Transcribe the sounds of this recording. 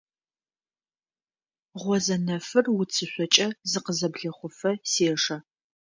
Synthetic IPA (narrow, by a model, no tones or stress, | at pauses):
ʁʷɔzɐnɐfɨrwʊt͡sʰɨɕʷɔt͡ʃʼɐzɨqəzɐbɮɐχʷʊfɐseːʂɐ